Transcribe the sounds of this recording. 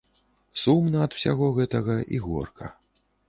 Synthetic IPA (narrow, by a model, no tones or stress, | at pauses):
sumnɐːd̪w̥sʲa̰ɣɔɣɛt̪ɐɣɐʔḭɣɔ̰rkʰɐ̰